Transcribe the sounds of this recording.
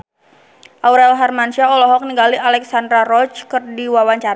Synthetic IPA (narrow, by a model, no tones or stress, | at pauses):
ʔawɾɛlɦarmansiaɔlɔɦɔk̚niŋɡalialɛksandɾaɾɔt͡ʃkərdiwawaɲt͡ʃaɾa